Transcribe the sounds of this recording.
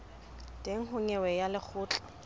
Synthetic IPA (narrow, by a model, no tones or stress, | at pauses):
tʼeŋ̩hʊɲɛwɛjalɪk͡xʰʊːt͡ɬʼa